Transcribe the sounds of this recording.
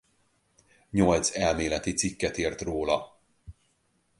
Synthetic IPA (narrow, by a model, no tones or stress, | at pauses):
ɲo̞lt̪sɛlmeːlɛt̪it̪sikːɛt̪eːrt̪roːlɒ